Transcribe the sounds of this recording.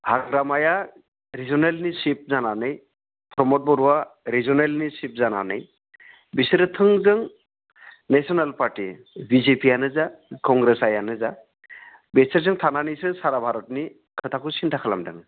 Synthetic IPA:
haɡɾamaja | ɾizɔnelnisip̚zananɯj | pʰɾɔmɔt̚bɔɾuwaɾizɔnelnisip̚zana̰nɯ̰j | bisiɾɯtʰɯŋzɯŋ | nesʰɔnalpaɾti | bizepianɯzakɔŋɡɾesajanɯza | beseɾzɯŋtʰananijsɯsaɾabʱaɾɔtni | kʰɯtʰakʰusintʰakʰala̰mdɯ̰ŋ

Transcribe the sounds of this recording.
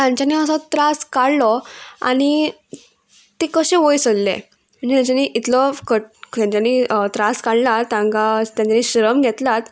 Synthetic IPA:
t̪jãɲt͡ɕaniəsɔt̪ɾaskaɽlɔa̰ɽ̃i | t̪ekəɕẽʋojsəllḛ | m̤əɳd͡zet̪jãt͡ɕaniʔit̪lɔkət̪jãɲt͡ɕaniːt̪ɾaskaɽlat̪jãŋkat̪jãɲt͡ɕaniɕɾəmɡʱɛt̪lat̪

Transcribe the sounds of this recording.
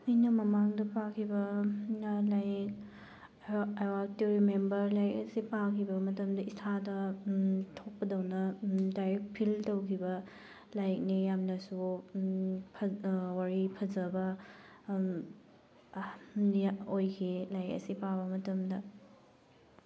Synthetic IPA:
ɐjnɐmɐmaŋdɐpakʰibɐnɐlajk | awak̚tiɾimembɐɾlajk̚ɐsipakʰibɐmɐtɐmdɐistʰadɐ | tʰok̚pɐdɐwnɐdajɾek̚t̚pʰiltowkʰibɐ | lajk̚nijamnɐsu | pʰɐwaɾipʰɐzɐbɐ | aojkʰilajkɐ̰sipabɐmɐtɐmdɐ

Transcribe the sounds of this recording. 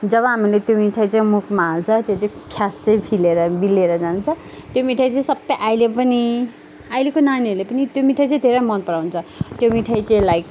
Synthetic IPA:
d͡zʌβʌɦamilet̪jomiʈʰajt͡saĩmukmaːlt͡sʰʌt̪jot͡saĩkʰjast͡sejpʰileɾʌbilːeɾʌd͡zant͡sʰʌ | t̪jomiʈʰajt͡saĩsʌbːʌjʔajlepʌni | ajlekonaniʌrlepʌnit̪jomiʈʰaj̃t͡sãĩd̪ʱeɾʌjmʌnpʌɽawnt͡sʰʌt̪jomiʈʰajt͡saĩlajk

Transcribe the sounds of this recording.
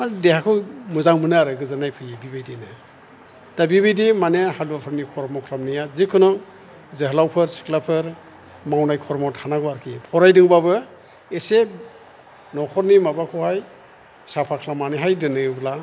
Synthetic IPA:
adehakʰɯwmɯzaŋmɯnɯaɾɯɡɯzanajpʰɯjibibajdinɯ | d̥abibijdimanehalbapʰɯɾnikʰɔɾmɔkʰlamnijazikʰɯnɔŋ | zeɦlawpʰɯɾsi̥klapʰɯɾ | mawnajkʰɔɾmɔthʰanaɡaɾkʰipʰɔɾajdɯŋbabɯ | ese | nɔkʰɔɾnimabakʰɔhaj | sapʰakʰlamaneɦajdɯnɯbla

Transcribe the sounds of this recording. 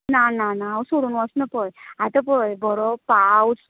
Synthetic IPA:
nananaːwsoɾunuɔsnəpəjat̪əpəjbɔɾɔpaws

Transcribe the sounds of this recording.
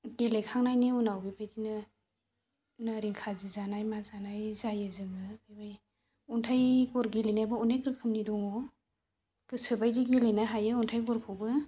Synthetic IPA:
ɡelekʰaŋnajniunawbibajdinɯ | naɾiŋkʰazizanajmazanajzajɯzɯŋɯbibaj | ɔntʰajɡɔɾɡelenajbaunekɾɯkʰɯmnidɔŋɔ | ɡ̥ɯsɯbajdiɡelenajɦajɯɔntʰajɡɔɾkʰɔwbɯ

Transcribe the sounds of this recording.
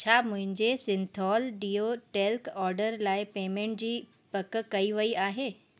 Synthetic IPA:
t͡ɕʰaːmʊ̃ɦɪ̃ɲd͡ʑesɪ̃nt̪ʰɔːlɖiːoʈeːlkɔːɾɖəɾlaːɪpeːmẽɳʈ̚d͡ʑiː | pɐkkɐiʋɐiʔaːɦeː

